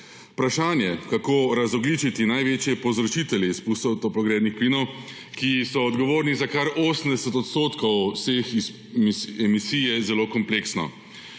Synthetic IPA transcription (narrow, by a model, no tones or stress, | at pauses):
pɾaʃaːnjɛkakoːɾazɔɡlit͡ʃit̪inajʋeːt͡ʃjɛpɔzɾɔt͡ʃit̪ɛljɛspust̪ɔt̪ɔplɔɡɾeːd̪nixpliːnɔw | kisɔːd̪ɡɔʋoːɾnizakaɾoːsəm̩d̪ɛsɛt̪ɔt̪st̪oːt̪kɔwsexis | ɛmisijɛzɛloːkɔmpleːksnɔ̰